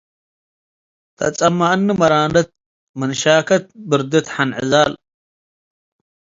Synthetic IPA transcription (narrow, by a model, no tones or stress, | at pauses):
t̪ʰɐ̰t͡sʼɐmːaʔnːɨmɐɾaːnɐt̪̚ | mɨnʃaːkʰɐt̪̚bɨɾd̪ɨt̪ħanʕɨzal